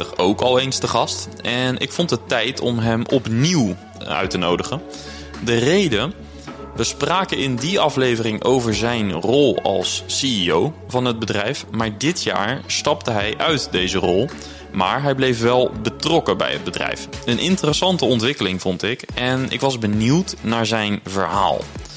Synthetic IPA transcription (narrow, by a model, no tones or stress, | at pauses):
əχowkɑlˠejnstəχɑst | ʔɛnɪ̰kfɔntətɛjtʰɔmɦɛmɔpniw | œ̰ɥtənowdəχən | dərejdə | ʋəspraːkəɪndiɑflejvərɪŋʔo̰wvəɹzɛjnrɔlˠɑ̰lˠsːiiowvɑnɦəd̚bədrɛjfmaːɹdɪtja̰ːɹstɑp̚təɦɛjʔœɥtdejzərɔlˠ | maːɹɦɛjblejfʋɛlˠbətrɔkəbɛ̰jɦə̰d̚bədrɛ̰jfənʔɪntərəsɑntəɔntʋɪkəlɪŋvɔntɪkɛnɪ̰kʋɑzbəniwtnaːɹzɛjnvəɹɦa̰ːlˠ